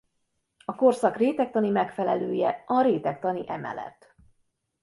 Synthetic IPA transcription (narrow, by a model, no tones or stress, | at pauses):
ɒko̞rsɒkreːt̪ɛk̚t̪ɒnimɛkfɛlɛløːjɛɒɾeːt̪ɛk̚t̪ɒniʔɛmɛ̰lɛ̰t̪ː